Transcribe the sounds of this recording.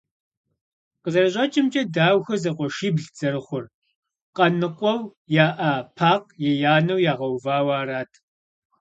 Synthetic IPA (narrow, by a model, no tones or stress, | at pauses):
qəzɐrɨʑʷʼɐt͡ʃʼɪmt͡ʃʼɐdaːwxɐzɐqʷɔʃiːbɮd͡zɐɾɨχʷʊr | qɐnɨqʷʼɔwjaːʔapʰaːqjɛjaːnɐwjaːʁɐwvaːwaːraːtʰ